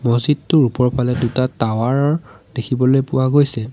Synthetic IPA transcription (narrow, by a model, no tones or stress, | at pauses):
mozidtʊɹupɔɹpʰalɛdutatawaɹɔɹd̥ekʰibɔlojpʊwaɡojsɛ